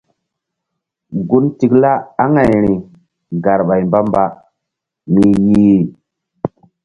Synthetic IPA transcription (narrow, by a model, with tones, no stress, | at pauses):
ɡu˦nti˨kla˦a˦ŋa˨jɾi˨ | ɡa˨ɾɓa˨jmba˦mba˦ | mi˨ɲi˦i˨